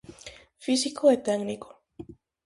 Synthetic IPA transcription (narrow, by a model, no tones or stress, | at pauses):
fisikoet̪aɡniko̥